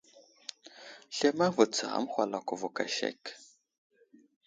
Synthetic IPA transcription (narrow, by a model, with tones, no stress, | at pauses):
ɬe˦ma˦və˨t͡sa˨a̰˦mxʷa˨la˨kʷu˨vu˨ka˨ʃḛ˦˨k